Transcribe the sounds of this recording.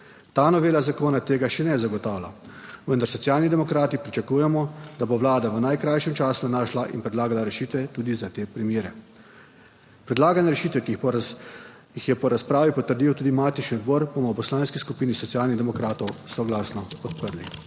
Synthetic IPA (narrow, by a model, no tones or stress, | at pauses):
t̪aːnɔʋeːlazakoːnat̪eːɡaʃɛnɛzaɡɔt̪aːwla̰ | ʋənd̪aɾsɔtsjaːlnid̪ɛmɔkɾaːt̪ipɾit͡ʃakuːjɛmɔd̪aboʋlaːd̪aʋənajkɾajʃɛmt͡ʃaːsunaːʃlaʔḭnpɾɛd̪laːɡalaɾɛʃiːt̪ʋɛt̪uːd̪izat̪eːpɾimjeːɾɛ | pɾɛd̪laːɡanɛɾɛʃiːt̪ʋɛki | ixjɛpɔɾaspɾaːʋipɔt̪əɾd̪iːwt̪uːd̪imaːt̪iʃniɔd̪bɔːɾbomɔwpɔslaːnskiskupiːnisɔt̪sijaːlniɣd̪ɛmɔkɾaːt̪ɔwsɔɡlaːsnɔpɔt̪̚pəɾli